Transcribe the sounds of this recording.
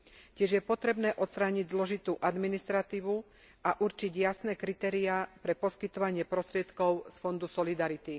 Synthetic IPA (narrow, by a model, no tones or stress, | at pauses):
cɪɛʒjɛpɔt̪ɾɛbnɛːʔɔt̪st̪ɾaːɲiɟzlɔʒit̪uːʔad̪minist̪ɾat̪iːʋu | ʔaʔuɾt͡ʃiɟjasnɛːkɾit̪ɛːɾiapɾɛpɔskit̪ɔʋaɲɪɛpɾɔst̪ɾɪɛt̪kɔʊsfɔnd̪usɔlid̪aɾit̪i